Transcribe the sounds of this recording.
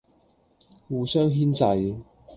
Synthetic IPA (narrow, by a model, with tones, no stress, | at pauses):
wuː˨˧sœː˥ŋɦiː˥nt͡sɐ˨˧j